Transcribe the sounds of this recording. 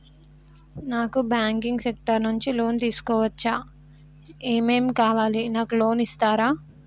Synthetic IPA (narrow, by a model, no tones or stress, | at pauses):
naːkubaːŋkiŋɡsek̚ʈɐɾnuɲt͡ʃilo̞ːnt̪iːsu̥kɔːʋɐt͡ʃːaː | eːmeːmkaːʋaːlinaːkulo̞ːnist̪aːɾaː